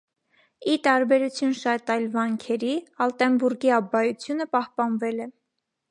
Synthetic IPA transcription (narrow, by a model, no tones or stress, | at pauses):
it̪ɑɾbɛɾut͡sʰjunʃɑt̪ɑjlvɑŋkʰɛɾiɑlt̪ɛmbuɾɡiɑbɑjut͡sʰjunəpɑhpɑnvɛlɛ